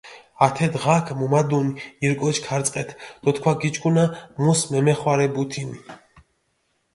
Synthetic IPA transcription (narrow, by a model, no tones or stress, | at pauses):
at̪ʰɛd̪ʁakʰmumad̪uniiɾkʼɔt͡ʃʰkʰaɾt͡s̪ʼqʼɛt̪ʰd̪̥ɔt̪kʰwaɡit͡ʃʼkʼunamusmɛmɛχwaɾɛbut̪ʰini